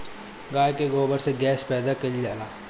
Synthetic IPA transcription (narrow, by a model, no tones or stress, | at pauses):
ɡaːjkeɡoːbəɾseɡɛːspɛːd̪akɐlid͡ʒaːlaː